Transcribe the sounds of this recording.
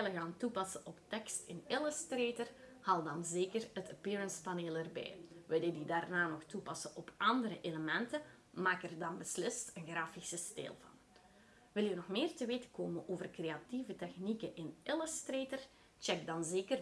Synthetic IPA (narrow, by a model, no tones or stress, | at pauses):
ɪləɣaːntupɑsəʔɔptɛkstɪnɪləstreːtərhaːlˠdɑnzeːkərətəpiːɹənspaneːlˠərbɛ̰jʋɪlˠədidaːrnaːnɔxtupɑsəʔɔpɑndəɾəʔeləmɛntə | maːkərdɑnbəslɪstənɣraːfisəstḛːlˠvɑ̰n | ʋɪlˠənɔxmeːrtəʋeːtə̥koːmənʔoːvərkreːativətɛxnikəʔɪnʔɪləstreːtər | t͡ʃɛɡ̚dɑnzeːkər